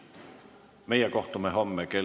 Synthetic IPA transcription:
meijækoht̪umehomːeke

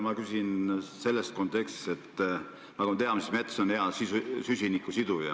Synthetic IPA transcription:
mɑkysʲinse̞lːest̪̚ko̞nt̪ːˑe̞kst̪i̥se̞t̪ˑː | nɑkumɑt̪e̞ɑmese̥t̪me̞t̪sonheɑsisusysʲinikˑːusid̪̥ujɑ̰

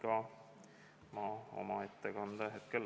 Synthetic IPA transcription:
kɑ | mɑːo̰mɑet̪ːekɑnd̪ɑɦet̪̚kel

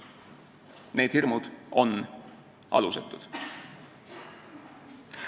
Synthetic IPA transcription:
ne̞ːd̥̪hirmud̪̥ʔo̞n | ʔɑ̰luset̪ːˑud̪̥

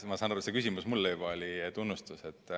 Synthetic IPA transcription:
mɑsɑːnɑɾusekysimusmulːejbɑolʲit̪unːust̪use̞t̪ːˑ

